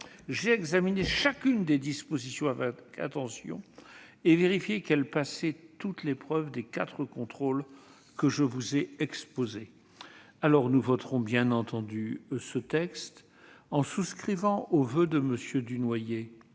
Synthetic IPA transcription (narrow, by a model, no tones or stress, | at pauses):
ʒeɛɡzamineʃakʲynd̪ed̪ispozisjɔ̃avɛkʰa̰t̪ɑ̃sjɔ̰̃eveʁifjekɛlpasɛt̪ut̪lepχœvd̪ekat̪χəkɔ̃t̪χol | kəʒəvuzɛɛkspoze | alɔʁnuvɔt̪χɔ̃bjɛ̃nɑ̃t̪ɑ̃d̪ysət̪ɛkst̪ | ɑ̃suskχivɑ̃ʔovød̪əməsjød̪ynwaje